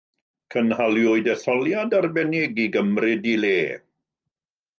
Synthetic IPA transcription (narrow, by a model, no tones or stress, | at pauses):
kʰənhaljʊɨdɛθɔlˠjadarbɛnɛɡiɡəmrɪdileː